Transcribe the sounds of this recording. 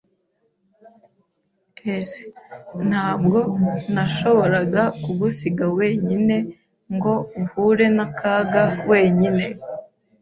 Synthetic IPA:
esi̥n̥haːb̚ɡo̞naʃo̞βo̞ɾaɡakuɡusiɡawe̞ːɲine̞ | ŋɡo̞uhuɾe̞nakʰaːɡawe̞ːɲine̞

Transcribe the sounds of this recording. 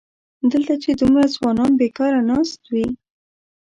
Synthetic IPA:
d̪əlt̪at͡ʃed̪umɾazwɑnɑnbekɑɾanɑst̪wi

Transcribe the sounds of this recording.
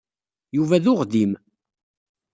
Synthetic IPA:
juvæðʊʁdim

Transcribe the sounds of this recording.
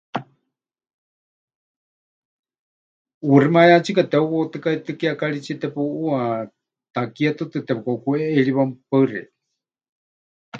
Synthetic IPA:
urimajat͡ʃʰikat̪ɛuβot̪ɨkait̪ɨkiakaɺit͡ʃʰit̪ɛpuʔua | t̪akiat̪ɨt̪ɨt̪ɛpukaukueʔːɺiβampaɨrḭ

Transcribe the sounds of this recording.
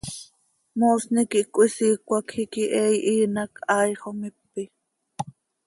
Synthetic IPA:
mosnikiʔkʷʼwisiːkʷakhikiʔɛːjʔiːnakʰɑːjχomɪpːi

